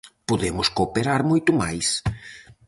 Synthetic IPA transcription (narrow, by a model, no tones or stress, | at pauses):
poðemʊskopeɾaɾmojt̪ʊmajs